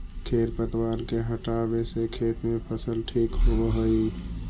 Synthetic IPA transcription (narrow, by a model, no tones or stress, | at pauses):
kʰeɾpət̪waɾkeɦəʈabesekʰet̪mepʰəsəlʈʰikɦobəɦəj